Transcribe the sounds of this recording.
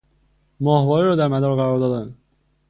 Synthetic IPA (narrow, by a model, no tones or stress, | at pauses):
mɒːhvɒːɾiɾɒːd̪æɾmæd̪ɒɾɣæɾɒːɾd̪ɒːd̪æn